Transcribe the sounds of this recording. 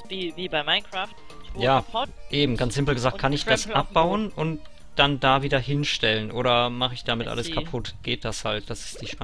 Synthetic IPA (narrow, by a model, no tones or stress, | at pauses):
viːviːbaɪmaɪnkɹ̥aːft | jjaːʔeːbm̩ɡansz̥ɪmpl̩ɡəzaːkt̚kʰanɪçd̥asʔap̚b̥aʊənʔʊnt | d̥andaːviːdɐhɪnʃtɛlənʔoːɾɐmaχəɪçd̥amɪtʔa̰ləskapʰʊtɡ̥eːt̚d̥ashalt̚d̥asɪ̥std̥iːʃpa